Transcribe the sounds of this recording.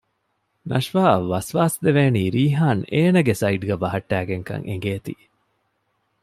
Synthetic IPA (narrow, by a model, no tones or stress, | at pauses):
nɐ̰ʃʋaːʋɐsʋaːsd̪eʋeːniːɾiːɦaːneːnɐɡesɐiɖɡɐʋɐɦɐʈːæːɡeŋkɐ̰ŋʔḛŋɡeːt̪ḭː